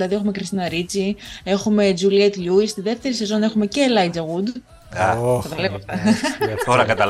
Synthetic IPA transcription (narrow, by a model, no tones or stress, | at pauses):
lɐðie̞xume̞kɾist̪inɐɾit͡sie̞xume̞d͡ʒuliet̪ʎuist̪iðe̞ft̪e̞ɾise̞zo̞ne̞xumece̞lɐid͡zɐɣud̪ | ɐt̪ɐlevɐɐt̪oɾɐkɐt̪ɐ